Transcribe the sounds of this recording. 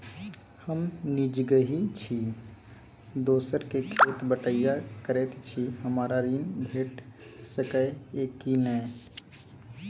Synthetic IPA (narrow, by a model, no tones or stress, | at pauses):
həmnid͡ʒɡəɦit͡ʃʰi | d̪oːsəɾkekʰeːt̪bəʈəjakəɾɛːt̪t͡ʃʰiɦəmaːɾaɾiːnbʱeːʈsəkəeːkːinɛː